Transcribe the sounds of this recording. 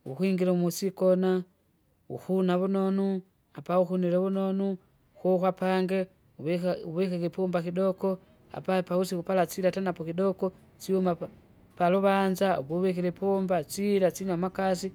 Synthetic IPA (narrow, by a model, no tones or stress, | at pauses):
ṵxwiːŋɡiɾamusikona | ṵxunaβunonu | apauxuniɾoβunonu | kokwapaŋɡe | uβuβekekepombakidoko | a̰papausikupalat͡siɾatanapokidoko | t͡ʃiuma | paluβand͡ʒaṵβoβekiɾepombat͡ʃiɾat͡ʃiɲamakas̬i